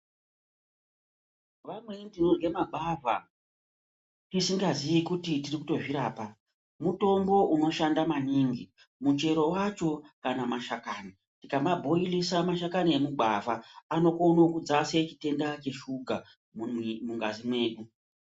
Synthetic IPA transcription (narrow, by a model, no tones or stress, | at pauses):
ʋamwe̞ndinoɡe̞maɡʱava̰ | tisiŋɡazijikutitirikuto̞ʐiɾaːpa | muto̞mbo̞ʔuno̞ʃandamaniːŋɡi | mut͡ʃe̞ɾo̞wat͡ʃo̞kanamaʃakaːni | tikambabʱo̞ilisamaʃakaniemuɡ͡bʱa̰vaːno̞konokud͡zase̞t͡ʃite̞ndat͡ʃe̞ʃuɡʱa | muŋɡazimwe̞ːɗu